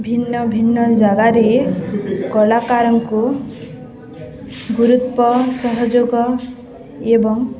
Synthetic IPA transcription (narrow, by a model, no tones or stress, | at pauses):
bʱinːɔbʱinːɔd͡ʒaɡaɾe | kɔlakaɾɔŋku | ɡuɾut̪pɔsɔɦɔd͡ʒoɡɔ | ebɔŋ